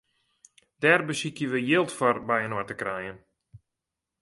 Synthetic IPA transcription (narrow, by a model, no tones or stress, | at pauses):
d̥ɛrbəsikjəʋəjɪlˠtfɔrbɛjənɔtəkrɛjən